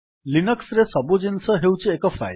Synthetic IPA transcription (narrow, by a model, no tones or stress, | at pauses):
linʌksɾesʌbud͡zinsʌɦewt͡siekɔfʰa̰j